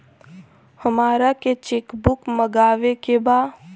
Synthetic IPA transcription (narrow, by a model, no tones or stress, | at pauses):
həmaːɾaket͡ʃeːkbʊkməɡaːʋekebaː